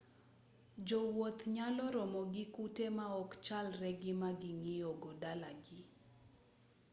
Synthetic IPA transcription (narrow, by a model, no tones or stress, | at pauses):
d͡ʒɔwot̪ɲalɔɾɔmɔɡɪkutemaɔkt͡ʃalrɛɡɪmaɡɪŋɪjɔɡɔdalaɡɪ